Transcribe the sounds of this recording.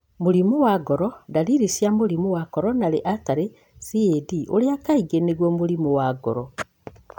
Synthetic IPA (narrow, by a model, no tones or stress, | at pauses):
moɾimuwaɡɔɾɔdaɾiɾisjamoɾimuwakɔɾɔnaɾeʔataɾe | siediʔoɾeakaiɡeneɣwɔmuɾimuwaɡɔ̰ɾɔ